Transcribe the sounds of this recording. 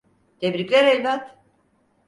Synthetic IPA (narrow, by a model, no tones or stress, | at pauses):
t̪ʰebɾikʲlʲeɾelʲbat̪